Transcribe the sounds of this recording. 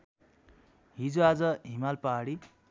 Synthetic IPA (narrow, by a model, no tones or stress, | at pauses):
ɦid͡zuad͡zʌɦimalpaɽi